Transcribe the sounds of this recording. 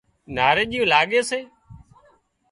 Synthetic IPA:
naːɾeːɗiːũːlaːɠeːseː

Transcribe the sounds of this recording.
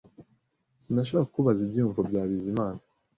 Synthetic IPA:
sinaʃ̬okakuβazibjuːɱvobɟaːβizimaːna

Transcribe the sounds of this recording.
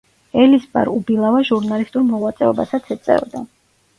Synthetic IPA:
ɛlisba̰ɾubilˠavaʒuɾnalist̪ʼuɾmɔʁwat̪sʼɛɔbasat̪sʰɛt̪sʼɛ̰ɔd̪a

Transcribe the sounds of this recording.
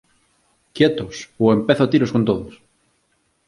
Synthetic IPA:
kjet̪osoempeθoat̪iɾoskont̪oðos

